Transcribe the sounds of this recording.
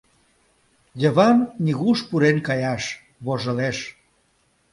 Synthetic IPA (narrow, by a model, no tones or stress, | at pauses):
jə̆βɑnnʲiɣuʃpuɾenkɑjɑʃ | βoʒə̆leʃ